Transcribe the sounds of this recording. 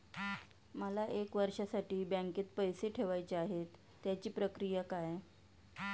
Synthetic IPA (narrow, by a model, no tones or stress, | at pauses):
məlaʔekʋəɾʂəsaʈiːbãŋkiːt̪̚pəjseʈʰeʋajt͡ɕeaɦet̪ːjat͡ɕiːpɾəkɾijəkaj